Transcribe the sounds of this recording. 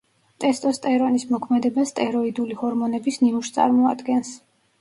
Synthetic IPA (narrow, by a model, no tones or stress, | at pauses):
t̪ʼɛst̪ʼɔst̪ʼɛɾɔnismɔkʰmɛd̪ɛbast̪ʼɛɾɔid̪ulihɔɾmɔnɛbisnimuʃt̪sʼa̰ɾmɔa̰d̪ɡɛns